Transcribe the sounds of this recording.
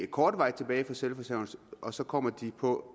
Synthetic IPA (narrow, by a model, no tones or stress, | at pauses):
e̥kʰɒːd̥ʋɑ̈ɪt͡sʰe̝b̥ɛːɪfʁɒselfɒsɛʊn̩sʔɒ̽sɒ̽kʰɒ̽m̰ɐd̥ipʰɒ̽